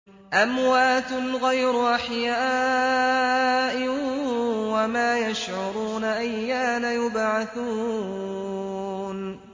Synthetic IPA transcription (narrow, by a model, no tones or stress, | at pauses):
ʔamwaːt̪ʊlɣajɾʊʔaħjaː | ʔɪ | wamaːjaʃʕʊɾuːnaʔajːaːnajʊbʕaθuː | n